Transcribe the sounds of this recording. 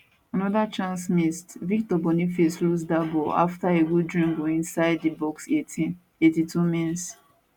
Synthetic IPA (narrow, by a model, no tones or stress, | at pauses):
anɔdat͡ʃãnsmistvik̚tɔbɔnifeslus̬dabɔa̰ftaewudɹĩŋɡoĩnsaɪddibɔksetĩ | etitʰumĩns